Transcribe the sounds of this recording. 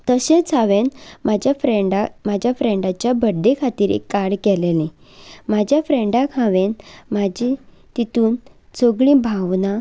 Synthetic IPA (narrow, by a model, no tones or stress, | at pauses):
t̪əɕẽt͡sʰaʋenmad͡ʑjafɾeɖamad͡ʑʱjafɾẽɳɖat͡ɕjabəɖːekʰat̪iːɾḛkːaɽkɛlelẽ | mad͡ʑʱjafɾeɳɖakʰãʋenmad͡ʑi | t̪it̪uːn | t͡soɡɭĩbʱaʋna